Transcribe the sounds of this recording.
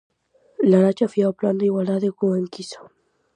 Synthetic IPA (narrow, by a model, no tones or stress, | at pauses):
laɾat͡ʃafiaopland̪eiɣwald̪aðekueŋkiso̥